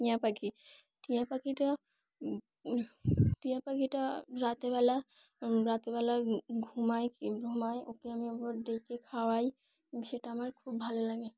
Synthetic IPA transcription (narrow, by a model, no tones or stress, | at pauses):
ʈijãpakʰi | ʈijãpakiʈə | ʈijãpakiʈəɾat̪ebɛla | ɾat̪ebalaɡʱumajɡʱumajʔokeamebɔɖekekʰawaj | seʈamaɾkʰubbʱalelaɡe